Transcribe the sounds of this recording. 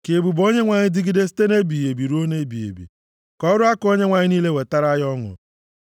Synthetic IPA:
ke˨bu˨bo˦ɲe˦ŋʷa˨ɲɪ˦dɪ˦ɡi˦de˦s̬i̥˦te˦ne˦bi˨je˨bi˨ɾo˦ne˦bi˨jḛ˨bḭ˨ | kɔ˦ɾʊ˦a˦ko˦ɲe˦ŋʷa˨ɲɪ˦niː˦le˦we˨ta˦ɾa˦jɔ˦ŋʊ̰˨

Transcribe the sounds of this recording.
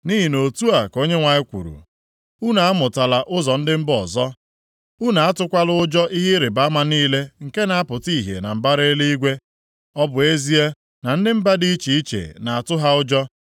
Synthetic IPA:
ni˦ɦi˨no˨tu˦a˨ko˦ɲe˦ŋʷa˨ɲɪ˦kʷṵ˨ɾṵ˨ | u˦na˨a˦mʊ˨ta˨la˨ʔʊ˦zɔ˨n̩˦dɪ˦m̩˦bɔ˨zɔ˦ | u˦na˨a˦tʊ˦kʷa˦lʊ˦ʊ˦d͡ʒɔ˦ʔi˦ɦi˦ɾɪ˨ba˦ma˦niː˦le˦ŋ̩˨ke˦na˨a˦pʊ˨ti˦˨ɦjḛ˨na˨m̩˨ba˦ɾe˦le˦i˦ɡʷe˦ | ɔ˦bʊ˨e˦zi˦e˦ | na˨n̩˦dɪ˦m̩˦ba˦di˦i˦t͡ʃi˨i˦t͡ʃḛ˨na˨a˨tʊ˦ɦa˦ʊ˦d͡ʒɔ˦

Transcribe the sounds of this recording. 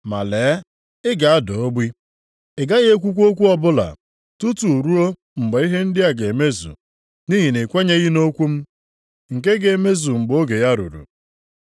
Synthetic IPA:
ma̰˨le˨˦ | ɪ˦ɡa˨a˦do˨o˦ɡ͡bi˦ | ɪ˨ɡa˦ɣe˦e˦kʷu˦kʷo˦k̬ʷu˦ɔ˦bʊ˦la̰˨ | tu˦tu˨ɾu˦o˦ | ŋ͡m̩˨ɡ͡be˨˦i˦ɦe˦n̩˦dɪ˦a˨ɡe˨me˦zṵ˨ | ni˦ɦi˨ne˨kʷe˦ɲe˦ɣi˦no˦kʷu˦m̩˦ | ŋ̩˨k̬e˦ɡe˨e˨me˦zu˨ŋ͡m̩˨ɡ͡bo˦ɡe˨ja˦ɾṵ˨ɾṵ˨

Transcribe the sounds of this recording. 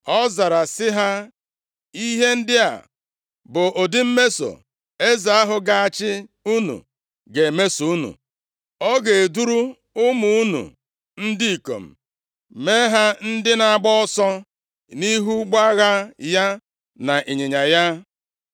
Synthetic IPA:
ɔ˦za˨ɾa˨sɪ˦ɦa˦ | i˦ɦe˦n̩˦dɪ˦a̰˨ | bʊ˨ʔo˨dɪ˦m̩˦me˦so̰˨ | e˦za˨a˦ɦʊ˨ɡa˦˨a˨t͡ʃɪ˦u˦nṵ˨ | ɡe˨me˦su˨u˦nṵ˨ | ɔ˦ɡe˨e˨du˦ɾu˦ | ʊ˦mu˨u˦nṵ˨ | n̩˦di˦i˨ko̰˨m̩˨ | me˦ɦa˦n̩˦dɪ˦na˨a˨ɡ͡bɔ˦ɔ˦sɔ˦ | ni˦ɦu˦ɡ͡ba˦ɣa˦ja˦ | na˨ʔe˨ɲe˨ɲa˨ja˦

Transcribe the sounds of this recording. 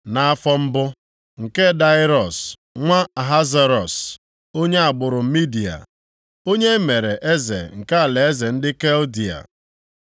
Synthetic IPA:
na˨a˦fɔ˦m̩˦bʊ˦ | ŋ̩˨ke˦da˦ɪ˦ɾɔ˨s | ŋʷa˦a˨ɦa˦za˦ɾɔ˨s | o˦ɲe˦a˨ɡ͡bʊ˨ɾʊ˨m̩˦mi˦di˨a̰˨ | o˦ɲe˦me˨ɾe˨ʔe˦zḛ˨ŋ̩˨ka˦a˨le˨e˦ze˨n̩˦dɪ˦ke˦ldi˨a̰˨

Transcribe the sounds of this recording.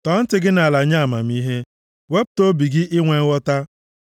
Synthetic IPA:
tɔ˨˦n̩˦tɪ˨ɡɪ˦na˨la˨ɲa˦a˨ma̰˨m̩i˦ɦe˦ | we˦p̚to˦bi˨ɡɪ˦ʔɪ˦ŋʷe˨ŋ̩˦wɔ˦ta˦

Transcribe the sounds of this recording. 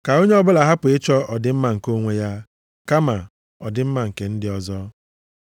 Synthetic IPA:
ka˨o˦ɲe˦ɔ˦bʊ˦la˨ɦa˦pʊ˨ɪ˦t͡ʃɔ˦ɔ˨dɪ˦m̩˦ma˨ŋ̩˨ko˦ŋʷe˦ja˦ | ka˦ma˨ | ɔ˨dɪ˦m̩˦ma˨ŋ̩˨ke˨n̩˦dɪ˦ɔ˨zɔ˦

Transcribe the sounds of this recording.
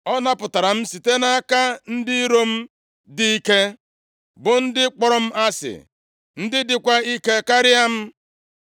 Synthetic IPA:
ɔ˦na˦pʊ˨ta˨ɾa˨m̩˦si˨te˦na˦ka˦n̩˦dɪ˦ɾo˦m̩˦ | dɪ˦i˦ke˦ | bʊ˨n̩˦dɪ˦k͡pɔ˨ɾɔ˦m̩˦ʔa˦sɪ̰˨ | n̩˦dɪ˦dɪ˨kʷa˦i˦ke˦ka˦ɾɪ˦a˦m̩˦

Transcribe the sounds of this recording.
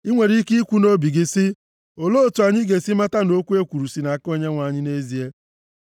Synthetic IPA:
i˦ŋʷe˨ɾi˦ki˦i˦kʷu˦no˦bi˨ɡɪ˦sɪ˦ | o˨lo˦o˨tu˨a˨ɲɪ˦ɡe˨si˦ma˦ta˦no˦kʷu˦e˦kʷu˨ɾu˨si˨na˨ko˦ɲe˦ŋʷa˨ɲɪ˦ne˦zi˦e˦

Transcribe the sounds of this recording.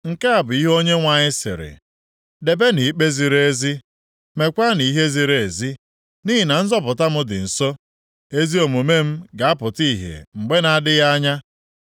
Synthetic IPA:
ŋ̩˨ka˦a˨bʊ˨i˦ɦo˦ɲe˦ŋʷa˨ɲɪ˦sɪ̰˨ɾɪ̰˨ | de˨be˦ni˨˦k͡pe˦zi˨ɾee˦zi˦ | me˨kʷa˦ni˨i˦ɦe˦zi˨ɾe˨e˨zi˦ | ni˦ɦɪ˨na˨n̩˦zɔ˦p̬ʊ˨ta˦mʊ˦dɪ̰˨n̩˨so˦ | e˦zi˦o˨mo˨me˦m̩˦ɡa˨a˦pʊ˨ti˦˨ɦḛ˨ŋ͡m̩˨ɡ͡be˦na˨a˨dɪ˦ja˦ɲa˦

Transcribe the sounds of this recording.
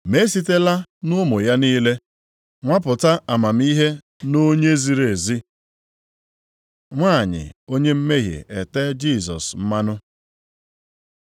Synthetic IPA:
me˦si˦te˦la˦nʊ˦mʊ˨ja˦niː˦le˦ | ŋʷa˦pʊ˨ta˦a˨ma˨m̩˦i˦ɦe˦ | no˦ɲe˦zi˨ɾe˨zi˦ | ŋʷa˦˨ɲɪ̰˨o˦ɲe˦m̩˦me˦ɦḛ˨e˨te˦d͡ʒi˦˨sɔ̰˨sm̩˦ma˦nʊ˦

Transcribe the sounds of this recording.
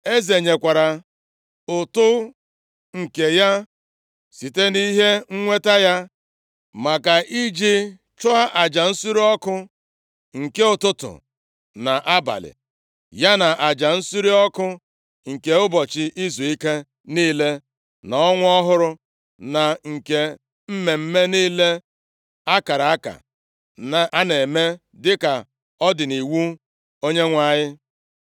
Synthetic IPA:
e˦ze˨ɲe˨kʷa˨ɾa˨ | ʊ˨tʊ˦ | ŋ̩˨ke˨ja˦ | si˨te˦ni˦ɦe˦ŋ̩˦ŋʷe˦ta˦ja˦ | ma˨ka˨ʔi˦d͡ʒi˦ | t͡ʃʊ˦a˦ʔa˨d͡ʒa˨n̩˦su˦ɾi˦ɔ˦kʊ˦ | ŋ̩˨ke˦ʊ˨tʊ˦tʊ̰˨ | na˨ʔa˦ba̰˨lɪ̰˨ | ja˦na˨ʔa˨d͡ʒa˨n̩˦su˦ɾi˦ɔ˦kʊ˦ | ŋ̩˨ke˨ʊ˦bɔ˨t͡ʃɪ˨ʔi˦zu˨i˦ke˦ | niː˦le˦ | na˨ɔ˦ŋʷ˦ɔ˦ɦʊ˦ɾʊ˦ | na˨ŋ̩˨ke˦ | m̩˦me˨m̩˦me˦niː˦le˦ | a˦ka˨ɾa˨a˦ka̰˨ | na˨ʔa˦ne˨me˦ | dɪ˦ka˨ | ɔ˦dɪ˨ni˨wu˦ | o˦ɲe˦ŋʷa˦˨ɲɪ˦

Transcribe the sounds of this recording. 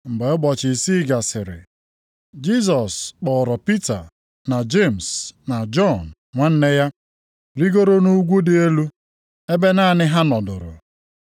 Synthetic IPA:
m̩˨be˨ʊ˦bɔ˨t͡ʃɪ˨si˦ɡa˨sɪ˨ɾɪ̰˨ | d͡ʒi˦s̬ɔ˨sk͡pɔ˨ɾɔ˨pi˦ta˨ | na˨d͡ʒe˦˨m˨sna˨d͡ʒɔ˦˨n | ŋʷa˦n̩˦ne˦ja˦ | ɾi˦ɡo˦ɾo˦nu˦ɡʷu˦dɪ˨e˦lu˦ | e˦be˦na˦˨nɪ˦ɦa˦nɔ˨dʊ˨ɾʊ̰˨

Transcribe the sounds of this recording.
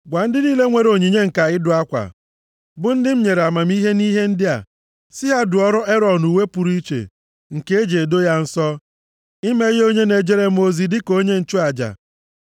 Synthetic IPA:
ɡʷa˨n̩˦dɪ˦niː˦le˦ŋʷe˨ɾo˨ɲi˨ɲe˦ŋ̩˨ka˨ɣɪ˦dʊ˨˦a˦kʷa̰˨ | bʊ˦n̩˦dɪ˦m̩˦ɲe˨ɾe˨a˨ma˨m˦i˦ɦe˦niː˦ɦe˦n̩˦dɪ˦a̰˨ | sɪ˦ɦa˦dʊ˨ɔ˦ɾʊ˦e˦ɾɔ˨nu˨we˦pu˨ɾi˦t͡ʃḛ˨ | ŋ̩˨ke˦e˦d͡ʒe˨do˦ja˦n̩˦sɔ˦ | ɪ˦me˦jo˦ɲe˦ne˨d͡ʒe˦ɾe˦m̩˦o˨zi˨dɪ˦ko˦ɲe˦n̩˨t͡ʃʊ˦a˨d͡ʒa̰˨

